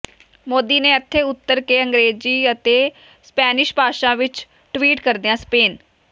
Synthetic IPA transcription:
moːd̪iːnẽːət̪ʰːeːʊt̪ːəɾkeːəŋɡɾeːd͡ʒiːət̪eː | spɛːnɪʃbaːʃãːʋɪt͡ʃ | ʈʋiːʈkəɾd̪ijãːspeːn

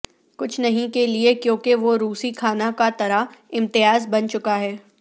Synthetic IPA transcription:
kʊt͡ʃʰnɐɦĩkeliekjõːkeʋoɾuːsikʰaːnakat̪ɐɾaɪ̃mt̪ɪjaːzbɐnt͡ʃʊkaɦɛː

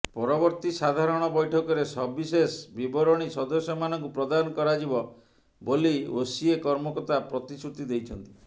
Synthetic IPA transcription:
pɔɾɔbɔɾt̪isad̪ʱaɾɔɽ̃ɔbɔjʈʰɔkɔɾesɔbbisesbibɔɾɔɽ̃isɔd̪ɔsjɔmanɔŋkupɾɔd̪anɔkɔɾad͡ʒibɔ | boliosiekɔɾmɔkɔt̪apɾɔt̪isut̪id̪ejt͡ʃʰɔnt̪i̥

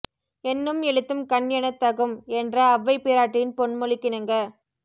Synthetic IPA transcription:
ɛnːɯmɛɻɯt̪ːɯmkɐɳjɐnɐt̪ːɐɣɯmɛndrɐːʋːɐɪpːɪːɾaːʈːɪjɪnpɔɳmɔɭɪkːɪnɐŋɡɐ

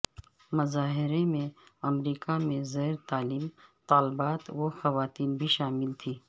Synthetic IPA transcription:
mɐzaːɦɪɾemẽɐmɾiːkamẽzeːɾt̪aːliːmt̪aːlbaːt̪woxɐʋaːt̪iːnbʱiʃaːmɪlt̪ʰiː

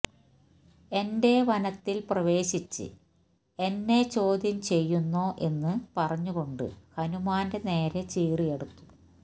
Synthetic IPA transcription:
e̞nde̞ʋɐnɐt̪ːilprɐʋe̞ːɕit͡ɕːɨ̰ | e̞nːe̞t͡ɕo̞ːd̪ʱjɐmt͡ɕe̞jːunːo̞ːʔe̞nːɨpɐrɐɲːuɣo̞ɳɖɨ̰hɐnumaːnde̞ne̞ːɾet͡ɕiːrije̞ɽut̪ːu̥

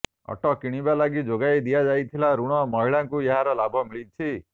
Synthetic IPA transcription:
ɔ̰ʈɔkiɽ̃ibalaɡid͡ʒoɡajd̪ijad͡ʒajt̪ʰilaɾuɽ̃ɔmɔɦiɭaŋkujeɦaɾɔlabʱɔmiɭit͡ʃʰi

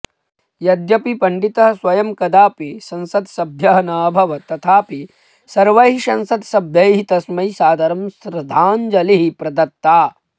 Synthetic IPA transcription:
jɐd̪jɐpipɐɳɖit̪ɐɦɐswɐjɐmkɐd̪aːpisɐ̃nsɐd̪sɐbʱjɐɦɐnaːbʱɐʋɐt̪ɐt̪ʰaːpi | sɐɾʋɐɦiʃɐnsɐd̪sɐbʱjɐjɦit̪ɐsmɐjsaːd̪ʱɐɾɐmsɾɐd̪ʱaːnd͡ʒɐliɦipɾɐd̪ɐt̪ːaː

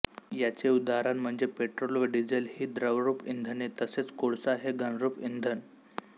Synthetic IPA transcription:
jat͡seud̪aɾanm̤əɳd͡zepeʈɾolʋəɖid͡zelhiːd̪ɾəʋɾuːpind̪ʱənet̪əset͡skoɽsaɦeɡəɳ̃ɾuːpind̪ʱən

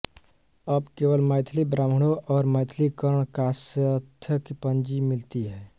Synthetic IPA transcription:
əbkeːʋəlməɪt̪ʰlibɾaməɽ̃oʔɔːɾməɪt̪ʰlikəɾəɳ̃kasət̪ʰːəkepənd͡ʒimilt̪iɦɛː

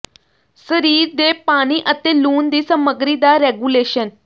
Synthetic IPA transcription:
səɾiːɾd̪epaɽ̃iʔət̪eluːnd̪isəməɡɾid̪aɾeɡuleɕən

